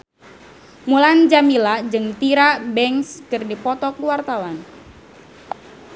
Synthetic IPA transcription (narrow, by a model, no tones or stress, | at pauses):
muland͡ʒamilad͡ʒɨŋt̪iɾabɛŋskɨrdipɔt̪ɔkuwart̪awan